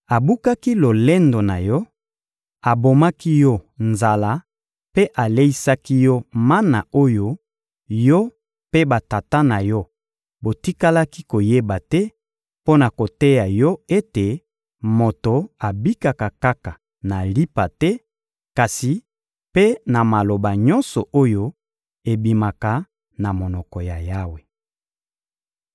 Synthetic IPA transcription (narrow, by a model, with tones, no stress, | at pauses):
a˨bu˦ka˦ki˦lo˨le˦ndo˨na̰˨jɔ˦ | a˨bo˨ma˦ki˦jɔ˦nza˨la˦ | pe˦ʔa˨le˦i˦sa˦ki˦jɔ˦ma˦na̰˨o˦jo˦ | jɔ˦ | pe˦ba˨ta˨ta˦na˨jɔ˦ | bo˨ti˦ka˦la˦ki˦ko˨je˦ba˨tɛ˦ | po˦na˨ko˨tɛ˦ja˨jɔ˦e˦te˨ | mo˨to˨a˨bi˦ka˨ka˨ka˦ka˨ | na˨li˦pa˨tɛ˦ | ka˨si˨ | pe˦na˨ma˨lo˨ba˨ɲɔ˦nsɔ˨ʔo˦jo˦ | e˨bi˨ma˨ka˨˦ | na˨mo˨nɔ˨kɔ˨ja˨ja˦we˨